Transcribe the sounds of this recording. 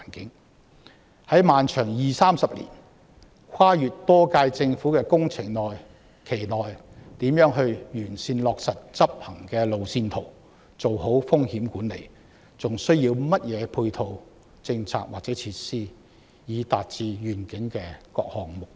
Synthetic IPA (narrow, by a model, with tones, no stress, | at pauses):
nkɪ˨˥ŋ | hɐ˨˥jmaː˨nt͡ʃʰœː˨˩ŋjiː˨˩saː˥msɐ˨p̚lḭ˨˩n | kʰwaː˥jyː˨t̚t̪ɔː˥kaː˧jt͡sɪ˧ŋfuː˨˥kɛː˧kʊ˥ŋt͡sʰɪ˨˩ŋnɔː˨˩j | kʰe˨˩jnɔː˨jt̪iː˨˥mjœː˨˥ŋɦɵ˧ɥjyː˨˩nsiː˧nlɔː˨˧k̚sɐ˨t̚t͡sɐ˥p̚hɐ˨˩ŋkɛː˧lo˨wsiː˧nt̪ʰo˨˩w | t͡so˨wɦo˨˥wfʊ˥ŋhiː˨˥mkuː˨˥nlḛ˨˩j | t͡sʊ˨ŋsɵ˥ɥjiː˧wmɐ˥t̚jɛː˨˧pʰuː˧jt̪ʰo˨w | t͡sɪ˧ŋt͡sʰa̰ː˨k̚waː˨k̚t͡sɛː˨˥t͡sʰiː˧t̚siː˥ | jiː˨˧t̪a̰ː˨t̚t͡siː˨˧jyː˨˩nkɪ˨˥ŋkɛː˧kɔ̰ː˧k̚hɔː˨ŋmʊ˨k̚